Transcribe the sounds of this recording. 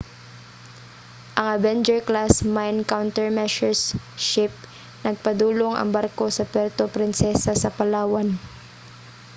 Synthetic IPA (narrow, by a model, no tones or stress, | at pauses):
ʔɐŋɐvɛnd͡ʒɛɹklasmajnkawnt̪ɛɹmɛʃɛɹsʃɪp̚ | nɐɡ̚pɐd̪uːlo̞ŋɐ̰ŋbaɾko̞sɐpɛɾt̪opɾɪnsɛsɐsɐpɐlaːwɐn